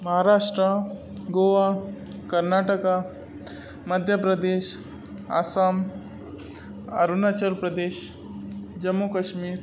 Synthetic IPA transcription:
mɐɦaɾaʂʈɾa | ɡoʋa | kɐɾnaʈəka | məd̪ʱjəpɾɐd̪eːʃ | a̰sam | ɐ̰ɾunat͡ɕəɾpɾɐd̪eːʃ | d͡ʒɐmːokəʃmiːɾ

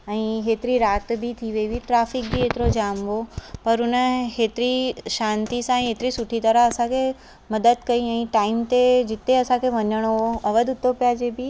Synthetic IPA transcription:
əĩɦet̪ɾiɾat̪bʱit̪ʰiʋeʋiʈɾafik̚bʱiet̪ɾod͡ʒamʋopəɾuneɦet̪ɾiʃãnt̪isãĩɦet̪ɾisuʈʰit̪əɾaəsãke | məd̪əd̪kəiaĩʈaimt̪ed͡ʒit̪ːeəsãkeʋənjəɳ̃ooəʋəd̪ut̪ːopjad͡ʒebʱi

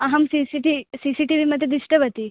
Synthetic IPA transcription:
ɐɦɐmsisiʈisisiʈiʋiməd̪ʱjed̪iʂʈəʋɐt̪i

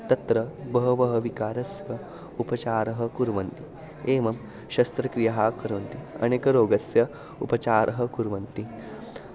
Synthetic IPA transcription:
t̪ɐt̪ɾɐbɐɦɐʋɐɦɐʋikaːɾɐsjɐ | upɐt͡ʃaːɾɐɦɐ̆kuɾʋɐnt̪i | eːmɐm | ʃɐst̪ɾɐkɾijɐɦaːkɐɾʋɐnt̪iɐ̰neːkɐɾoːɡɐsjɐ | ṵpɐt͡ʃaːɾʔɐɦɐ̆kuɾʋɐnt̪i

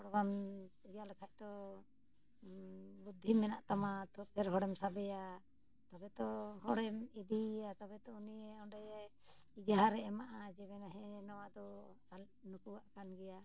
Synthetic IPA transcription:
ɔɽbanijalɛkʰac̚t̪ɔ | bud̪ʱːimɛnaʔt̪amat̪ʰɔpʰɛɾɦɔɽɛmsabɛja | t̪abɛt̪ɔɦɔɽɛmid̪iat̪abɛt̪ɔunijɛɔɳɖɛjɛ | id͡ʒaɦaɾɛːmaʔad͡ʒɛbɛnaɦɛ̃nɔwad̪ɔ | al | nukuaʔkanɡɛja

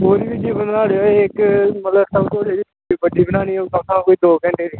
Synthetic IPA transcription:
oːɾiːbid͡ʒiːbənnaːɽeoeɪkmət̪ləbsəbt̪oːd͡ʒeːd̪iːt̪ʰoiːbəɖiːbənaːɽ̃iːt̪ãːsʰãkoːiːd̪oːkə̃ɳʈeːd̪iː

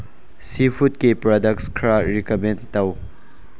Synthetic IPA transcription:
sipʰut̚kipɾɔdɐk̚skʰɾaɾikɐmẽntɐw

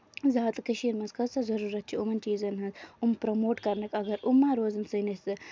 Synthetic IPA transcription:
zaːt̪ɨkəʃiːɾmɐnzkɐssɐzɐɾuːɾɐt̪̚t͡ʃʰiumɐnt͡ʃiːzɐnɦɐzumpɾɐmoːʈkɐɾnɐkɐɡɐɾumːaːɾoːzɐnsɐnɐt͡sɨ

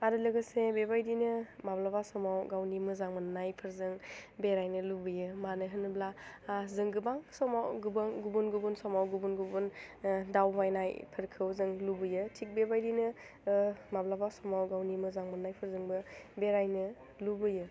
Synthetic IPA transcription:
aɾɯlɯɡɯsebebajdinɯmablabasɔmawɡawnimɯzaŋmɐnːajpʰɯɾzɯŋbeɾajnɯlubɯjɯmanɯɦɯnɯblaazɯŋɡɯbaŋsɔmawɡubaŋɡubunɡubunsɔmawɡubunɡubundawmajnajpʰɯɾkʰɯwzɯŋlubɯjɯtʰik̚bebajdinɯ | mablabasɔmawɡawnimɯzaŋmɐnːajpʰɯɾzɯŋbɯbeɾajnɯ | lubɯjɯ

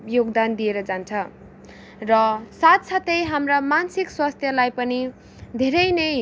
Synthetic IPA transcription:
joɡd̪and̪ijeɾʌd͡zant͡sʰʌ | rʌsat̪sat̪ʌjɦamramansikswast̪ʰjʌlajpʌni | d̪ʱeɾʌjnʌ

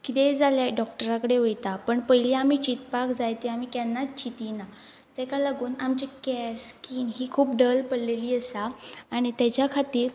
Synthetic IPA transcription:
kit̪ed͡zaljaɖɔk̚ʈəɾakəɽeʋejt̪apəɳpəjliam̤iːt͡ɕit̪pakd͡zajt̪eam̤iːkjanːat͡ɕit̪ina | t̪ɛkalaɡuːnamt͡ɕikɛɾskiːnɦiːkʰuːp̚ɖəlpəɽleliːəsaːɽ̃it̪jat͡ɕjakʰat̪iːɾ

